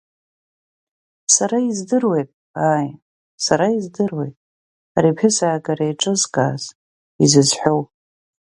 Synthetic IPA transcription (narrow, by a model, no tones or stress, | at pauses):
saɾaizdɨrwe̞jtʼ | aːj | saɾaizdɨrwe̞̰jtʼ | aɾipʰɪsaːɡʼaɾaiʈ͡ʂʼɨzkʼa̰ːz̥ | izɨzħʷᶣow